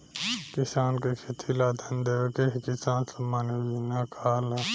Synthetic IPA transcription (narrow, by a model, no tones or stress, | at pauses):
kɪsaːnkekʰet̪ʰilaːd̪ʱɐnd̪eːekeɦkɪsaːnsɐmːaːnewinakʰaːla